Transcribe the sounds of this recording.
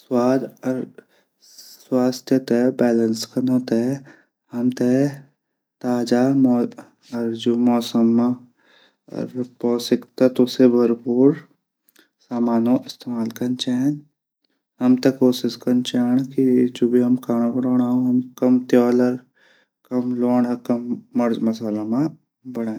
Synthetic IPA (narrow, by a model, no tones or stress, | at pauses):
swaːd̪ɾ | swaːst̪ʰjət̪ebɛːlə̃nskɐnãt̪ɛ | hɐmt̪e | t̪aːd͡ʒaːm | ɐɾd͡ʒumɔːsəmː | ɾpɔːsɪkt̪ɐt̪osebʱɐɾpuːɾ | saːmaːnoʔɪst̪eːmaːlkɐnt͡ʃaːn | ɦɐmt̪ekoːsɪskɐnt͡ʃaːɳkid͡ʒoːbʱiɦɐmkaːɽ̃ãbɐɽoːɽ̃aːoɦɐmkɐmt̪jɔːləɾ | kɐmloːɳɐkɐmːɐɾd͡ʒmɐsaːlamã | bɐɽ̃aːẽ